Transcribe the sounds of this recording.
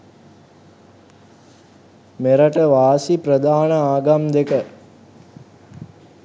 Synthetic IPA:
meɾəʈəʋaːsiprəd̪aːnəaːɡamd̪ekə

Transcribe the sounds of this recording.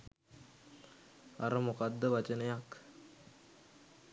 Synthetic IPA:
a̰ɾəmukad̪ːəʋat͡ʃənəjak

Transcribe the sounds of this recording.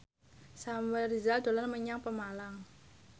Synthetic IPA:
samwɛrizald̪̥o̤lanməɲaŋpəmalaŋ

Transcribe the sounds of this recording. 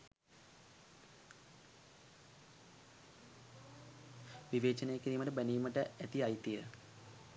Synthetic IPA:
ʋiʋeːt͡ʃənejəkiɾiːməʈəbæniːməʈəæt̪iajt̪ijə

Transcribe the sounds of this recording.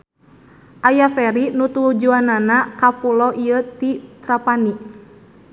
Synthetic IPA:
ʔajafɛɾinut̪ud͡ʒuananakapulɔʔiət̪it̪ɾapani

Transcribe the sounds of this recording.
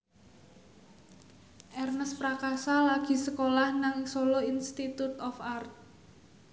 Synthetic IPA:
ʔɛrnəspɾakasalaɡ̥i̤səkolahnaŋsoloinst̪it̪ut̪ɔfart̪̚

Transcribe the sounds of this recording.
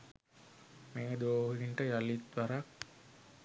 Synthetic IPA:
meːəd̪oːɦəniɳʈəjalit̪ʋaɾak̚

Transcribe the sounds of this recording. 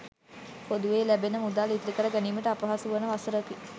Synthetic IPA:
pod̪uʋeːlæbenəmud̪aːlit̪ɾikəɾəɡæniːməʈəapɐɦasuʋənəʋasəɾəki

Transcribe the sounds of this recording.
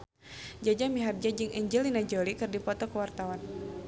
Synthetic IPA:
d͡ʒad͡ʒamiɦard͡ʒad͡ʒɨŋʔɛɲd͡ʒəlinad͡ʒɔlikɨrdipɔt̪ɔkəwart̪awan

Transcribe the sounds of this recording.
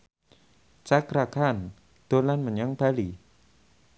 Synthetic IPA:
t͡ʃakɾakan | d̪̥o̤lanməɲaŋb̥a̤li

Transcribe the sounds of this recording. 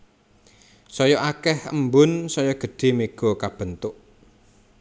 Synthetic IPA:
sɔjɔʔakɛhəmbʊnsɔjɔɡ̥ə̤ɖ̥e̤meɡ̥ɔ̤kab̥ə̤nt̪ʊʔ

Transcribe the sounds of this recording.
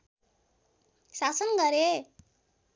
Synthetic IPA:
sasʌnɡʌɾe

